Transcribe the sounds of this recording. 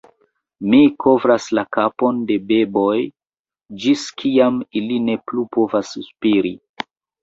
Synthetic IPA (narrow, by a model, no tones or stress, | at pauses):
mikʰo̞vɾaslakapo̞nde̞be̞bo̞j | d͡ʒiskʰiamiline̞plupo̞vasspiɾi